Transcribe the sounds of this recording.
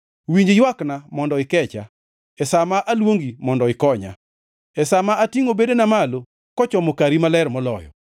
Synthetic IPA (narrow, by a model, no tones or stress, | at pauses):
wiɲd͡ʒejwaknamɔndɔɪkɛt͡ʃa̰ | ɛsamaʔalwoŋɡimɔndɔɪkɔɲa̰ | ɛsamaatiŋobedenamalo | kɔt͡ʃɔmokaɾimalɛɾmɔlɔjɔ̰